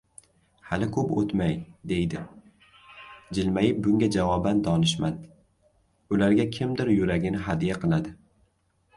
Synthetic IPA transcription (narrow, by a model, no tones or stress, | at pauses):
halɪkʰɵpo̰t̪majd̪e̞jd̪ɪ | d͡ʒɪlmajɪp̚bʊŋɡʲad͡ʒavɒband̪ʰɒnɪʃmad̪ | ʊlaɾɡʲakʲʰɪmd̪ɪɾjʊɾaɡʲɪnɪɦad̪ijaqʰɨlˠad̪ɪ